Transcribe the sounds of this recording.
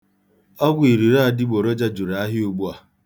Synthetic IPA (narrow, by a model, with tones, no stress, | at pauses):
ɔ˦ɡʊ˦i˨ɾi˨ɾa˦˨dɪ˦ɡ͡bo˨ɾo˦d͡ʒa˦d͡ʒu˨ɾa˨a˦ɦɪ˦u˦ɡ͡bu˦a˨